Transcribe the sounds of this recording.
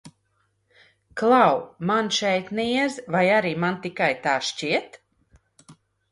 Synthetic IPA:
klˠawmanʃɛjt̪nɛɛzvajaɾiːmant̪ikajt̪aːʃt͡ɕiɛt̪

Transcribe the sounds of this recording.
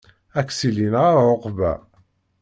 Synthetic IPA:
ækːsilinʁaɾʕoqbæ̰

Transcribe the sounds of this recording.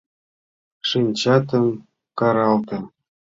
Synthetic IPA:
ʂinʲt͡ɕɑt̪ɤ̆m | kɑɾɑlt̪ɤ̆

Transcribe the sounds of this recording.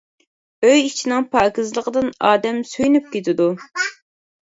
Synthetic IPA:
øjit͡ʃʰinɪŋpʰɑːkʲizlˠəqəd̪ɨnɑːd̪ɛmsyjnyp̚kʲet̪ʰɪd̪u

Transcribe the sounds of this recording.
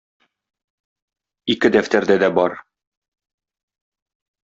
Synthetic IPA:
ikɘd̪æft̪æɾd̪æd̪æbɒɾ

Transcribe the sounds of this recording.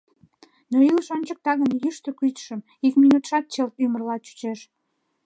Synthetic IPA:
noiləʃonʲt͡ɕək̚t̪ɑɣənjyʃt̪əkyt̪ʃəm | ikminut̪ʃɑt̪̚t͡ɕelymərlɑt͡ɕy̥t͡ɕeʃ

